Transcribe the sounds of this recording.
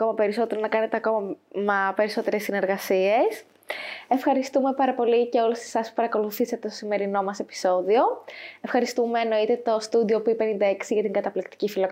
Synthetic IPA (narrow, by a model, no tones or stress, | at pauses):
ɐko̞mɐpe̞ɾiso̞t̪e̞ɾonɐkɐne̞t̪eɐko̞mɐmɐpe̞ɾiso̞t̪e̞ɾe̞sːine̞ɾɣɐsie̞s | e̞fxɐɾist̪ume̞pɐɾɐpo̞lice̞olese̥sɐspu̥pɐɾɐko̞luθisɐt̪et̪osime̞ɾino̞mɐse̞pi̥so̞ðio̞efxɐɾist̪ume̞ːno̞it̪e̞t̪o̞st̪uðio̞puipe̞nind̪ɐeksiʝɐt̪iŋɡɐt̪ɐplikt̪i̥cifilok